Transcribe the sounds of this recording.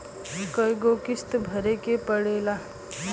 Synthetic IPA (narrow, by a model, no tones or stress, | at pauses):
kəjɡokist̪bʱəɾekepəɽela